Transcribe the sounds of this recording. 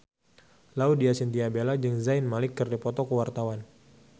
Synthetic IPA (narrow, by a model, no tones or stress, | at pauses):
laudiasint̪iabelad͡ʒəŋzajnmalɪkːərdipɔt̪ɔkəwart̪awan